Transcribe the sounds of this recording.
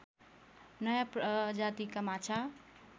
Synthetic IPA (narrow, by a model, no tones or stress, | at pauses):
nəjapd͡ʒat̪ikəmat͡ʃʰa